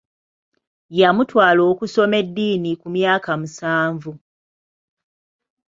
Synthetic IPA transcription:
jamutwaːlo̞ːkuso̞me̞dːiːnikumjaːkamusaːɱvu

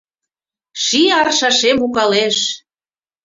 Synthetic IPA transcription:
ʃiɑrʃɑʃemukɑleʃ

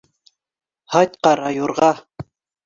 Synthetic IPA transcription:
hɑjt̪̚qɑɾɑjuɾʁɑ

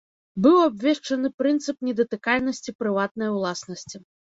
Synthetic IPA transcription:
bɨwabʲvʲɛʂt͡ʂɐnɨpɾɨnt̪sɨpnʲɛd̪ɐt̪ɨkalʲnɐsʲt͡sʲipɾɨvat̪̚nɐjɐwlˠasnɐsʲt͡sʲi

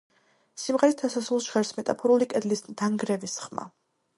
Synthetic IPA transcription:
simʁɛɾist̪ʰasasulˠsʒ̥ʁɛɾsmɛt̪ʼapʰɔɾulikʼɛd̪lisd̪̥aŋɡɾɛvisχma̰

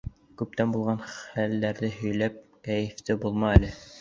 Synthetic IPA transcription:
kʉp̚t̪ænbulˠʁɑnχælːæɾðɘɦɵ̆jlæp̚kæjɘ̆ft̪ɘbulˠmɑælɘ

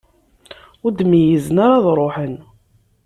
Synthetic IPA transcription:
ʊɾd̪mijəzənaɾɑðˤɾˤoħən

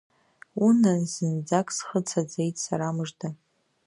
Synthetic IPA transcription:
unanzɨnd͡zakʼsχət͡sʰad͡zejtʼsaɾamɨʐdʰa

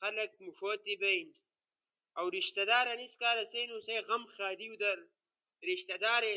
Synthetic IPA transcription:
xɐlɐk̚mufoːt̪ibɐjn | ɐwɾiʃt̪ɐd̪aːɾɐniskaːɾɐsɐjnusɐjɣɐmxaːd̪iwd̪ɐɾ | ɾiʃt̪ɐd̪aːɾe

